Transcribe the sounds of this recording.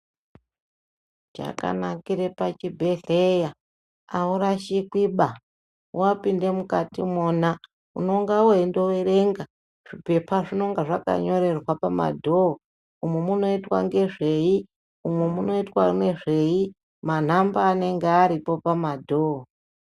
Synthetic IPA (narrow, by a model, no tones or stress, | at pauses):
d͡ʒa̰ka̰nakiɾe̞pat͡ʃibʱe̞ɮeja | auɾaʃikwiɓa | wapinde̞mukatimoːna | ṵno̞ŋɡawendo̞weɾe̞ŋɡa | ʐ̥ipe̞pʰaʐino̞ŋɡaʐaka̰ɲo̞ɾe̞rwapama̰dʱoɦo | umwemuno̞itwa̰ŋɡe̞ʐe̞i | umwemuno̞itwane̞ʐe̞i | man̤ambaːne̞ŋɡeaɾipo̞pamadʱoo